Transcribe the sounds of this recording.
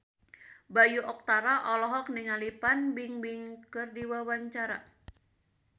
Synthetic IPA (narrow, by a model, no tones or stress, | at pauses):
bajuʔɔk̚t̪aɾaʔɔlɔɦɔk̚niŋalipanbɪŋbɪŋkərdiwawaɲt͡ʃaɾa